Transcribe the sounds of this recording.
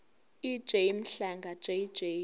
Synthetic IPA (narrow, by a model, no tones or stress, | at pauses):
i̥ʒ̥ejm̩ɬaŋɡʱḁʒ̥ej̥ʒ̥eː